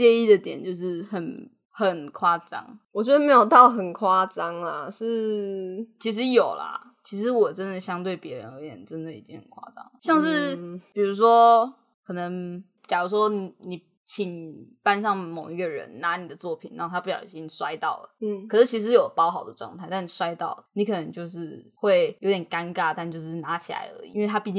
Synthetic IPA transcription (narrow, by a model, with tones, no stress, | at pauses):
jɛ˥˧i˥˩d̪ə˩t̪jɛ̰˨˩nt͡ɕjo˥˧ʊʂɻ̩˥˩xə˨˩n | xə˨˩nkʰwa˥t͡sɑ̰˦˥ŋwɔ˨˩t͡ɕɥɛ˦˥d̪ə˧˩me˧˥jo˨˩ʊt̪ɑ˥˩ʊxə˨˩nkʰwa˥t͡sɑ˦˥ŋla˨ʂɻ̩˥˧ | t͡ɕʰi˧˥ʂ̬ɻ̩˧˥jo˨˩ʊla̰˨˩ | t͡ɕʰi˧˥ʂ̬ɻ̩˧˦wɔ˨ʈ͡ʂə˦nd̪ə˨ɕjɑ˥ŋt̪we˥˩ɪpjɛ˧˥ɻə̰˦nə˧˥jɛ̰˨˩nʈ͡ʂə˦nd̪ə˨ḭ˨˩t͡ɕi˦ŋhə̰˨˩ŋkʰwa̰˥ʈ͡ʂɑ̰˦˥ŋlə˨ɕjɑ˥˧ŋʂ̬ɻ̩˥˩pi˨˩ɻu˧˥ʂ̬wɔ˦ | kʰɤ˨˩nə˧˦ŋ | t͡ɕjɑ˨˩˧ʂ̬wɔ˦˥n˨ni˨˩ | t͡ɕʰi˨˩ŋpa˥˧nʂɑ˥˩ŋmo˨˩ʊi˧˥ɡə˨ɻə̰˧˦nna˧˥ni˨˩d̪ə˩t͡swɔ˥˩pʰi˨˩na˧˦˥o˥˩t̪ʰpu˥˩jɑ̰˨˩ʊi˨˩t͡ɕi˥ŋswa˦ɪt̪ɑ˥˩ʊlə̰˨˩˥kʰɤ˨˩ʂɻ̩˥˩t͡ɕʰi˧˥ʂ̬ɻ̩˧˥jo˨˩ʊpɑ˥ʊxɑ˨˩ʊd̪ə˩ʈ͡ʂɑ̰˥˧ŋt̪ʰa˥˧ɪt̪a˥˩n˨˩ʂwa˥ɪt̪ɑ̰˥˩ʊni˧˥kʰɤ˨˩ə˧˦ŋt͡ɕjo˥˧ʊʂɻ̩˥˩xwe˥˩ɪjʔo˧˦t̪jnka˦˥nka˥t̪a˥˧nt͡ɕjo˥˧ʊʂ̬ɻ̩˥˩na˧˥˦t͡ɕʰi˨la̰˧˥ɪə̰˧˦˥ḭ˨˧i˥nwe˥˩ɪt̪ʰa˥pi˥˧t͡ɕ